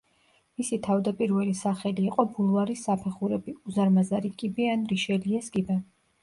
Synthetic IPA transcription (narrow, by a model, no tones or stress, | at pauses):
misit̪ʰavd̪apʼiɾvɛlisaχɛliːqʼɔbulˠvaɾisːapʰɛχuɾɛbiuzaɾmazaɾikʼibianɾiʃɛliɛsɡibɛ